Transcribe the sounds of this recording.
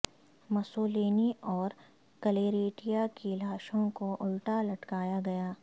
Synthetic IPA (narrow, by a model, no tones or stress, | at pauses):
mɐsoːleːniɔːɾ | kɐleːɾeːʈijakilaːʃõkoʔʊlʈalɐʈkaːjaɡɐjaː